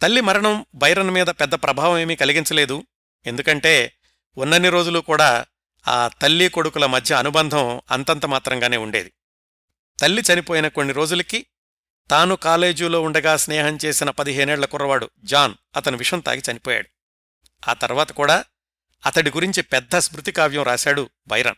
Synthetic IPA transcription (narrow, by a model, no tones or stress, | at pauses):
t̪ɐlːimɐɾɐɳɐmbʱɐjɐɾɐnmiːd̪ɐpɛd̪ːɐpɾʔɐbʱaːʋɐme̞ːmiːkɐliɡint͡ʃɐle̞ːd̪u | e̞nd̪ukɐɳʈe̞ː | unːɐnːiɾoːd͡ʒulukuːɽaː | a̰ːt̪ɐlːiko̞ɽukulɐmɐd̪ʱjɐːnubɐnd̪ʱɐmɐ̰nt̪ɐnt̪ɐmaːt̪ɾɐŋɡaːne̞ːuɳɖe̞̰ːd̪i | t̪ɐlːit͡ʃɐnipoːjinɐko̞nːiɾo̞ːd͡ʒulɐki | t̪aːnukaːle̞ːd͡ʒuːlo̞ːuɳɖɐɡaːsnɛːɦɐɲt͡ʃe̞ːsinɐpɐd̪iɦeːnɛːɭlɐkurːɐʋaːɽud͡ʒaːn | ɐt̪ɐnuʋiʂɐnt̪a̰ːɡit͡ʃɐnipɔːja̰ːɽu | a̰ːt̪ɐɾʋaːt̪ɐkuːɽaː | ɐt̪ɐɽiɡuɾiɲt͡ʃipɛd̪ʱːɐsmɾut̪ikaːʋjɐmɾaːsaːɽu | bʱɐjɾɐ̰n